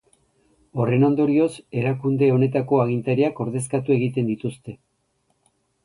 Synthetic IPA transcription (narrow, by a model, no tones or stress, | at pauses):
o̞re̞no̞nd̪o̞ɾio̞se̞ɾakund̪e̞o̞ne̞t̪ako̞aɣ̞int̪aɾiako̞ɾð̞e̞skat̪ue̞ɣit̪e̞nd̪it̪ust̪e̞